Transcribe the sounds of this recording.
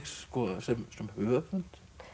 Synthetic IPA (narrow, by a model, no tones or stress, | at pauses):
ksːkɔsɛmsɛmhʏːvapʏn̥t̪